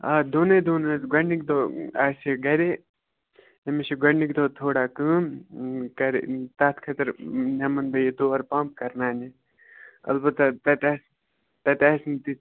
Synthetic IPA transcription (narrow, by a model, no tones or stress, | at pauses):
aːd̪oːnɐd̪oːnɐzɡɐnik̚d̪oːaːseɡɐɾe | emisiɡɐɽnikd̪oːt̪ʰoːɽaːkɐːmkɐɾ̰t̪aːt̪ʰkʰɐt̪ɐɾnɐmɐnb̪ɐjed̪oːɐɾpãːmp̚kɐɾnaːne | ɐ̰lbɐt̪ɐt̪ɐt̪as | t̪ɐt̪ʲaːsnt̪i